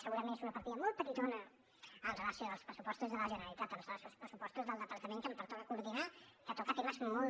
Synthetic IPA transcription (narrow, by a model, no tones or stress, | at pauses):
səɣuɾɐmẽntesunəpɐɾt̪iðəmolˠt̪̚pəɾit̪onə | əlrəlasoəlˠspɾəsu̥pɔst̪uzðələʒənəlit̪at̪əlsalsspɾəsupɔst̪uzðəlˠd̪əpəɾk̪əmẽŋkəmpəɾt̪oəkuɾðinakat̪ukat̪imasmol